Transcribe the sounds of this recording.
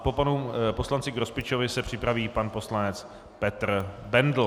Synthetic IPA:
po̞panupo̞slant͡sɪɡɾospɪt͡ʃovɪsɛpr̝̥ɪpɾaviːpanpo̞slanɛt͡s | pɛt̪r | bɛndl̩

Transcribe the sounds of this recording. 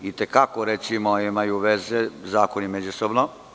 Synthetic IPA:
it̪ekakoɾet̪simoimajuʋe̞zezaːkonimed͡ʑusobno

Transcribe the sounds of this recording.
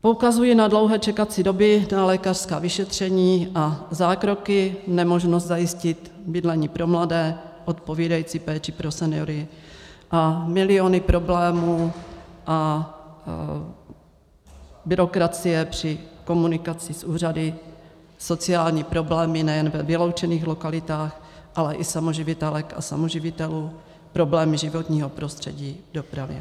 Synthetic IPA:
po̞ukazujinadlo̞wɦɛːt͡ʃɛkat͡sɪdo̞bɪnalɛkar̥skaːvɪʃɛt̪r̝̥ɛɲiːʔazaːkɾo̞kɪnɛmoʒnost̪zajɪscɪt̪ | bɪdlɛɲiːpɾo̞mladɛːʔot̪po̞viːdajit͡siːpɛːt͡ʃɪpɾosɛnɪoɾɪʔamɪlɪo̞nɪpɾʔo̞blɛːmuːʔa | bɪɾo̞kɾat͡sɪjɛpr̝̥ɪko̞munɪkat͡sɪsʔuːr̝adɪ | so̞t͡sɪaːlɲiːpɾo̞blɛːmɪnɛjɛnvɛvɪlo̞wt͡ʃɛniːxlo̞kalɪt̪aːx | ʔalɛʔɪsamo̞ʒɪvɪt̪ɛlɛka̰sa̰moʒɪvɪt̪ɛluː | pɾo̞blɛːmɪʒɪvot̪ɲiːɦopɾo̞st̪r̝̥ɛ̰ɟiːdopɾavɪ̰

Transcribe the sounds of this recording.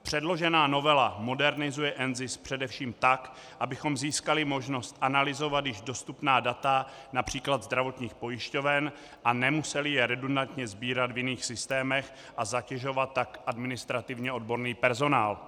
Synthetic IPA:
pr̝̥ɛdlo̞ʒɛnaːno̞vɛlamo̞dɛɾnɪzujɛʔɛnzɪspr̝̥ɛdɛfʃiːmt̪ak | ʔabɪxo̞mziːskalɪmo̞ʒno̞st̪ʔanalɪzo̞vat̪jɪʒdo̞st̪upnaːdat̪anapr̝̥iːklad̪zd̪ɾavo̞t̪ɲiːxpo̞jɪʃco̞vɛn | ʔanɛmusɛlɪjɛɾɛdundant̪ɲɛzbiːɾat̪vjɪniːxsɪst̪ɛːmɛx | ʔazacɛʒo̞vat̪ːakʔadmɪnɪst̪ɾat̪ɪvɲɛʔo̞dbo̞ɾniːpɛɾzo̞naːl

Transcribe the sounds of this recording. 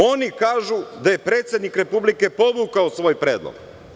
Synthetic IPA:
o̞nikaːʒud̪aje̞pɾe̞ːt̪sje̞d̪nikɾe̞publike̞po̞ʋukaosʋo̞ːjpɾe̞ːd̪lˠo̰ɡ̥

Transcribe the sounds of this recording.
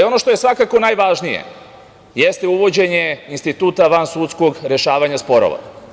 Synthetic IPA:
o̞no̞ʃt̪o̞jesʋakako̞naːjʋaʒnijḛ | jest̪euʋo̞d͡ʑe̞ɲeinst̪it̪uːt̪aʋansut̪sko̞ɡɾe̞ʃaːʋaɲaspo̞ɾo̰ʋa̰

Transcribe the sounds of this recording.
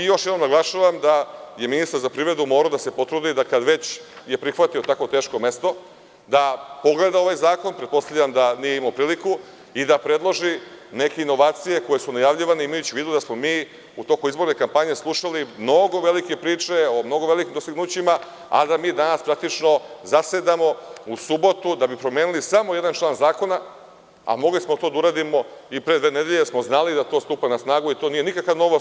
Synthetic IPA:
ijo̞ʃjed̪nomnaɡlˠaʃaʋamd̪ajeminist̪aɾzapɾivɾe̞d̪umo̞ːɾaod̪asepo̞t̪ɾud̪id̪akad̪ʋe̞t͡ɕ | je̞pɾixʋat̪io̞t̪akʋo̞t̪eːʃko̞me̞st̪o̞ | d̪apo̞ɡle̞d̪ao̞ʋajzaːko̞npɾet̪po̞st̪avʎamd̪anijeimapɾiːliku | id̪apɾe̞d̪lˠo̞ʒine̞ke̞ino̞ʋaːt̪sije̞ko̞jesunajaʋʎiʋaneimajut͡ɕiʋiːd̪ud̪asmo̞miː | ut̪o̞kuizbo̞ɾnekampaɲe̞slˠuʃalimno̞ɡo̞ʋe̞likepɾiːt͡ʂe̞omno̞ɡoʋelikimd̪o̞st̪iɡnuːt͡ɕima | a̰d̪amiːd̪anaspɾak̚t̪it͡ʃno̞zase̞d̪amo̞usubo̞t̪ud̪abipɾo̞mjeːnulisamo̞je̞d̪ant͡ʃlˠaːnzaːko̞na | a̰mo̞ɡlismo̞t̪o̞d̪auɾaːd̪imo̞ipɾed̪ʋe̞ːne̞d̪eʎesmo̞znalid̪at̪o̞ːst̪upanasnaːɡuit̪o̞niːje̞nikakaʋno̞ʋo

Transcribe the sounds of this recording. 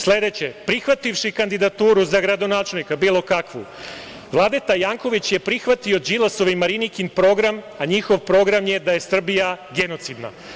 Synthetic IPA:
sle̞d̪et͡ɕepɾixʋat̪iʋʃikand̪id̪at̪uːɾuzaɡɾad̪o̞naːt͡ʃelnikabiːlˠo̞kakʋṵ | ʋlˠaːd̪et̪ajaːŋko̞ʋit͡ɕje̞pɾixʋat̪io̞d͡ʑilaso̞ʋimaɾinikinpɾo̞ɡɾam | aɲixo̞ʋpɾo̞ɡɾamje̞d̪aje̞sr̩bijaɡe̞no̞t̪sid̪na̰

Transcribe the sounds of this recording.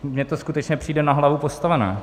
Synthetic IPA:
mɲɛt̪o̞skut̪ɛt͡ʃɲɛpr̥iːdɛnaɦlavupost̪avɛnɛ̰ː

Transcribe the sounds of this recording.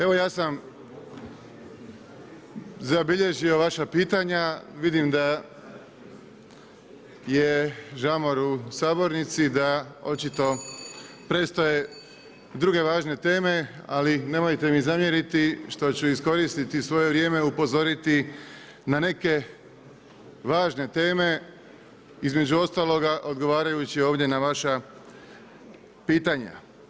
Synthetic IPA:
e̞ʋo̞jaːsam | zabiʎe̞ʒio̞ʋaʃapiːt̪aɲaʋid̪imd̪a | jeʒamoɾusaːbo̞ɾnit̪sid̪ao̞̰t͡ʃit̪o̞ | pɾe̞st̪oje̞ | d̪ɾuɡe̞ʋaːʒne̞t̪e̞ːme̞a̰line̞mojt̪e̞mizamje̞ɾit̪iʃt̪o̞t͡ɕuisko̞ɾist̪it̪isʋo̞je̞ʋɾje̞ːme̞upo̞zo̞ɾit̪i | nane̞ke̞ | ʋaːʒne̞t̪e̞ːme̞ | izme̞d͡ʑuo̞st̪aːlˠo̞ɡaʔo̞d̪ɡo̞ʋaːɾajut͡ɕio̞ːʋd̪je̞naʋaʃa | piːt̪aɲa̰

